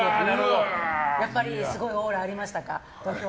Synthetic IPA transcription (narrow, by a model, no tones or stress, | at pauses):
eɯojapːaɾʲisɨɡo̞ioːɾaːɾʲimaɕi̥t̪aka̰ | d̪̥oːçʲo